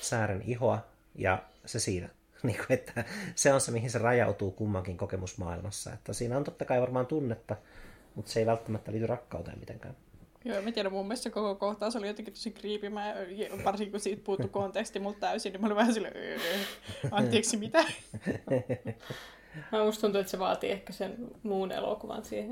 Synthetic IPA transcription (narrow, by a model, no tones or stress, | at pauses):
sæːɾeniɦoɑ | jɑ̰sesiːnæ | niːŋkuet̪ːæseonsemihinserɑjɑut̪uːkumːɑŋkiŋkokemusmɑ̰ːilmɑsːɑ̰ḛt̪ːæsiːnæont̪ot̪ːɑkɑiʋɑrmɑːnt̪unːet̪ːɑ | mut̪seiʋælt̪ːæmæt̪ːæliːt̪yrɑkːɑut̪ḛːmit̪ḛŋkæ̰ːm | joːemːæt̪iæɾæmumːessekokokoht̪ɑːˑseolijot̪eŋkit̪osikriːpimæːjɑʋɑrsiŋkikusiːt̪̚puhut̪ːukont̪ekst̪imult̪t̪æysinimæoliʋɑhɑsil | ɑnt̪ːeːksimit̪æ | mæust̪unt̪uet̪seʋɑːt̪iehkæsenmuːnḛlo̰kuʋɑ̰nsiːhen